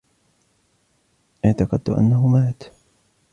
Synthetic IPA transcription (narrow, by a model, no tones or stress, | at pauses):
ʔɪʕt̪ɑqɑd̪t̪ʊ̰ʔa̰nːaɦʊmaːt̪